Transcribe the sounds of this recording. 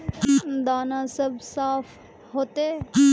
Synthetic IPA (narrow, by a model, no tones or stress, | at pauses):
d̪aːnãsɐbsaːf | ɦoːt̪e